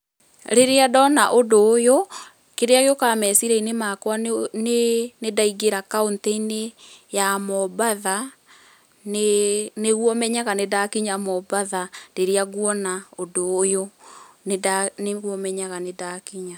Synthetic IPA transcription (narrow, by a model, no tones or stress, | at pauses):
ɾeɾeadɔnaʔodoːjo | keɾeaɣeokamɛsiɾɛinemakwanenedaiɣeɾakaontɛinejamɔbaða | neneɣwɔmɛɲaɣanedakiɲamɔbaðadeɾeaɣwɔnaodojoneaneɣwɔmɛɲaɣanedakiɲa